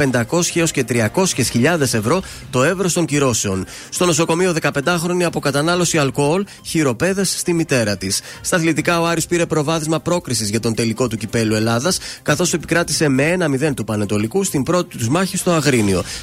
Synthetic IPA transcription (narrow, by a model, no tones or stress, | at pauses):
pe̞nd̪ɐko̞sçeo̞sce̞t̪ɾiɐko̞sçesçiʎɐðe̞se̞vɾo̞ | t̪o̞e̞vɾost̪o̞ɲciɾo̞se̞o̞n | st̪o̞no̞so̞ko̞mio̞ðe̞kɐpe̞nd̪ɐxɾo̞niɐpo̞kɐt̪ɐnɐlo̞siɐlkool | çiɾo̞pe̞ðe̞sːt̪imit̪e̞ɾɐt̪isːt̪ɐθlit̪ikɐo̞ɐɾiospiɾe̞pɾo̞vɐθizmɐpɾo̞kɾisizʝɐt̪o̞nt̪e̞liko̞t̪ucipe̞lue̞lɐðɐskɐθo̞se̞pi̥kɾɐt̪i̥se̞me̞enɐmiðe̞nt̪upɐne̞t̪o̞likust̪imbɾo̞t̪i̥t̪uzmɐçist̪o̞ɐɣɾinio̞̰